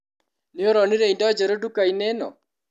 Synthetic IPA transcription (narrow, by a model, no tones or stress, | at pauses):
nɪoɾɔniɾeindɔd͡ʒeɾodukainɛnɔ̰